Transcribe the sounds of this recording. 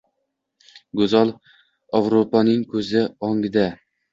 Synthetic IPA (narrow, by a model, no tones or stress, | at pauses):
ɡɵzɒlˠ | avɾopanɪŋkʰɵzɪɒŋɡɪd̪a